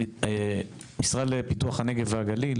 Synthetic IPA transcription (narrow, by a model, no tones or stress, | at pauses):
e | misʁalepituaχane̞ɡe̞veaɡalil